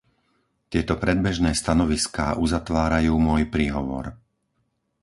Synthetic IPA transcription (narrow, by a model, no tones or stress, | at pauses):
t̪ɪɛt̪ɔpɾɛd̪̚bɛʒnɛːst̪anɔʋiskaːʔuzat̪ʋaːɾajuːmʊɔjpɾiːɦɔʋɔ̰ɾ